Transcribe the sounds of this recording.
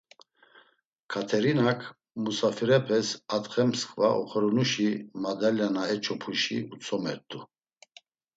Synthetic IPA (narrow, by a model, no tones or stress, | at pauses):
kʰat̪ʰɛɾinakʰ | musafiɾɛpʰɛsat̪χɛmskʰʼvaʔɔ̰χɔɾɔnuʃimad̪aljanaɛt͡ʃʰɔpʰuʃḭut͡sʰɔmɛ̰ɾt̪ʼu